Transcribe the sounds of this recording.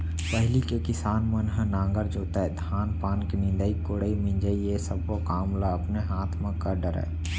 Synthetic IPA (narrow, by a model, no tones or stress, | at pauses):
pəɦlikekɪsaːnmənɦənãːŋɡəɾd͡ʒoːt̪ad̪ʱaːnpaːnkenɪ̃nd̪əːikoɽəimɪ̃nd͡ʒəijesəbokaːmlaəpneɦaːt̪ʰmẽkəɾɖəɾɛ̰ː